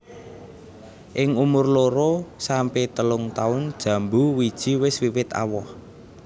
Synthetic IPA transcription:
ʔɪŋumʊrloɾosampet̪əlʊŋt̪aʊnd̥ʒ̥ä̤mbuwid̥ʒ̥i̤wɪswiwɪt̪a̰wɔh

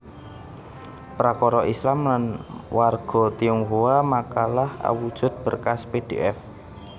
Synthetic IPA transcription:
pɾakɔɾɔʔislamlanwarɡ̥ɔ̤t̪iuŋɦuwamakalaha̰wud̥ʒ̥ʊ̤t̪̚b̥ərkasped̥ḛʔɛf

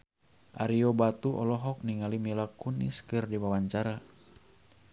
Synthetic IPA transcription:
ʔaɾiɔbat̪uʔɔ̰lɔɦɔk̚niŋalimilakunḭskɨrdiwawaɲt͡ʃaɾa

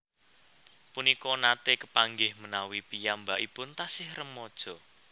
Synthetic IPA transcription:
punikɔnat̪ekəpaŋɡɪhmənawipijambaʔipʊnt̪asɪhrəmːɔd̥ʒ̥ɔ̤

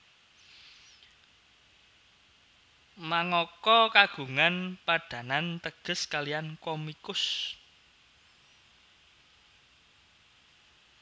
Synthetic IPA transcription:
maŋɔkɔkaɡ̥ṳŋanpaɖ̥ä̤nant̪əɡ̥ə̤skalijankɔmikʊs

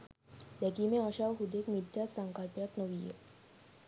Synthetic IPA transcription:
d̪ɛkimeəɕaʋɦud̪ekmid̪ʱjasaŋkalpjak̪nəʋijḛ

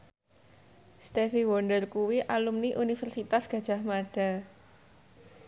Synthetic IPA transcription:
st̪efiwɔnɖərkuwiʔalumniʔunifɛrsit̪asɡ̥ä̤d̥ʒ̥a̤hmaɖ̥a̤

